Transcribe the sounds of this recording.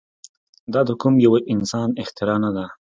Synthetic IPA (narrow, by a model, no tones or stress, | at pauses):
d̪ɑd̪əkumjawaʔɪnsɑnɪxt̪ɪɾɑnad̪a